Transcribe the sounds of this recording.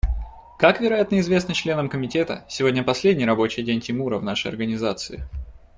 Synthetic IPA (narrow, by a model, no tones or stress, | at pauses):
kakvʲɪɾɐjat̪nəɪzvʲe̞snət͡ɕlʲe̞nəmkəmʲɪtʲe̞t̪ə̰sʲɪvo̞dʲnʲəpɐsʲlʲedʲnʲɪjɾɐbo̞t͡ɕɪjdʲenʲtʲɪmuɾəvnaʂəjɐ̰rɡənʲɪzat̪sɨɪ